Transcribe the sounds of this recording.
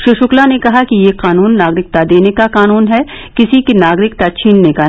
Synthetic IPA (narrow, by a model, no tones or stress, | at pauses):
ʃɪʃʊklanekɐɦakijeqaːnuːnːaːɡɾɪk̚t̪ad̪eːnekaqaːnuːnɦɛ | kɪsikinaːɡɾɪkt̪at͡ʃʰĩːnneka